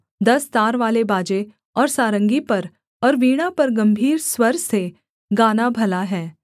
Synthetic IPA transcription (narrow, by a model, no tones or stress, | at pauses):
d̪ɐst̪aːɾʋaːlebaːd͡ʒe | ɔːɾsaːɾə̃ŋɡipɐɾ | ɔːɾʋiːɽ̃apɐɾɡɐ̃mbʱiːɾswɐɾse | ɡaːnabʱɐlaɦɛː